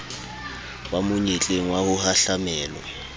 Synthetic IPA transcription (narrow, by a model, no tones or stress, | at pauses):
wamʊɲet͡ɬʼeŋ̩wahʊhaɬamɛːlɔ̰